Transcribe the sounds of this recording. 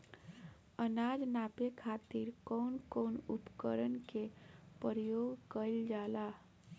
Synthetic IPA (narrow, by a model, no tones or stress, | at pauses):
ənad͡ʒnapekʰat̪iɾkɔʊnkɔnupkəɾənkepəɾəjoɡkəɪld͡ʒaːla